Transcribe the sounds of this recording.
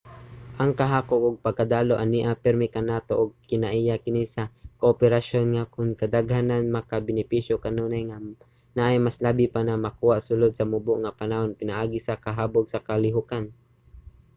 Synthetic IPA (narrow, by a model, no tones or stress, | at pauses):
ʔaŋkaɦaːkop̚ʔʊɡ̚paɡ̚kad̪aːloʔaniʔapɛɾmikanaːt̪oʔʊɡ̚kɪnaʔijakɪnisakoʔopɛɾaʃonŋakʊnkad̪aɡhananmakabɪnɪpiʃjokanuːnajŋa | naʔajmaslaːbipanamakuːaʔsʊlod̪̚samʊbʊʔŋapanahonpɪnaʔaːɡisakaɦaːboɡsakalɪɦʊkan